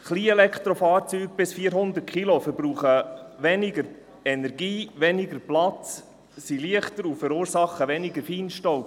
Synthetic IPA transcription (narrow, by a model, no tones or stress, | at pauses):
χliːɛlɛkχt̪ɾofɑːɾt͡syːɡ̚b̥ɪsfiːəɾɦʊnd̪əɾt̚kʰilofəɾbɾuːχəʋɛnɪɡəɾ | ɛnɛɾɡiːʋɛnɪɡəɾplɑt͡s | siliəχtəɾufəɾuːɾsɑχːəʋɛnɪɡəɾfiːnʃtɔʊp